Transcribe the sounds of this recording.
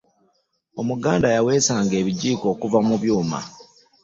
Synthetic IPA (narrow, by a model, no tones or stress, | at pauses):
o̞muɡaːndajawe̞ːsaːŋɡe̞ːβiɟiːko̞ːkuvamuβjuːma̰